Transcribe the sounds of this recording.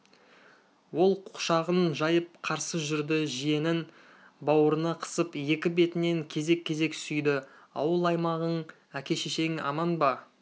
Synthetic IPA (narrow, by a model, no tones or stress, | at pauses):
wo̞lˠqʰʊ̥ʃɑʁənʒɑjəp̚qʰɑɾsəʒʏɾd̪ɪʒije̞nɪn | bɑwəɾənɑqʰə̥səpje̞kʲɪbe̞t̪ɪne̞ŋkʲʰe̞ze̞kʲʰːe̞ze̞ksʏjd̪ɪ | ɑ̰wəlˠɑjmɑʁəɴ | ækʲe̞ʃeʃe̞ŋɑ̰mɑnbɑ